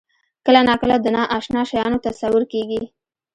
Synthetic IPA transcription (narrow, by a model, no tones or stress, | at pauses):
kəlanɑkəlad̪ənɑʔɑʃnɑʃajɑnot̪asawəɾkeɡi